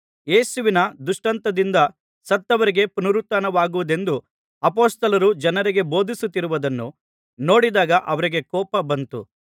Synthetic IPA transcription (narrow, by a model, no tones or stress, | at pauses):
jeːsuʋinɐd̪uʂʈɐnt̪ɐd̪ind̪ɐ | sɐt̪ːɐʋɐɾiɡe̞punɐɾut̪ːaːnɐʋaːɡuʋud̪e̞nd̪u | ɐpoːst̪ɐlɐɾud͡ʒɐnɐɾiɡe̞bo̞ːd̪ʱisut̪ːiɾuʋɐd̪ɐnːu | no̞ːɽid̪aːɡɐʔɐʋɐɾiɡe̞kɔːpɐbɐnt̪ṵ